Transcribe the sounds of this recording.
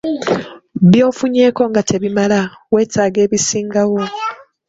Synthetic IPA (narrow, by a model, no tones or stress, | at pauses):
βjo̞ːfuɲe̞ːko̞ŋɡatʰe̞βimalawe̞ːtaːɡe̞ːβisiːŋɡawo̞